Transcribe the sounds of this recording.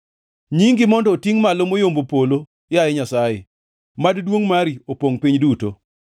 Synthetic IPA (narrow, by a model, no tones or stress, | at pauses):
ɲiŋɡɪmɔndɔːtiŋmalomojombopolo | jaɛɲasajḛ | maddwoŋmaɾiopoŋpiɲduto̰